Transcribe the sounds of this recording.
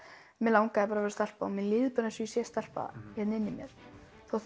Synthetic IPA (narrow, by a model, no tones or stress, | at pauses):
mɛlawŋkaɛpaːɾavɛɾst̪al̥paɔmɛnlɪːðpʏnasʏisjɛst̪ɛl̥pa̰çɛt̪nɪnːɪmjɛɾ̥ | θawθ